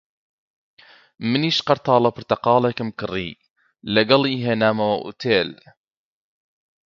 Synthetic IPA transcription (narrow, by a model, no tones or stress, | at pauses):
məniʃqɑɾt̪ɑːlɑpəɾt̪ɑqɑːlakəmkɨrˤːḭ | laɡɑliɦenaːmawaʔṵt̪ʰeːl